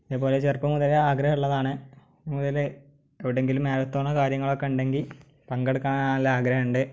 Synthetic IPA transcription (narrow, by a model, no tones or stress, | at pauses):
iðpo̞ːlet͡ɕerpɐmuðɐleaːɡɾɐhuɭːɐðaːɳɨ | muðɐl | ɐʋiɽe̞ŋɡilumeːɾɐt̪ːoːɳːɐkaːɾjɐŋːɐɭokːe̞uɳɖe̞ŋɡil | pɐŋɡeɽukːaːɳːɐlːɐaːɡɾɐɦɐuɳɖɨ